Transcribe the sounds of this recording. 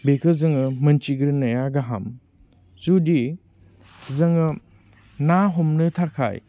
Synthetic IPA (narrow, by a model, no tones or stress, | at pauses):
bekʰɯzɯŋɯmɐnt͡ʃiɡɾɯnɐjaɡaɦa̰m | zudi | zɐŋɯ | naɦɔmnɯtʰaɾkʰa̰j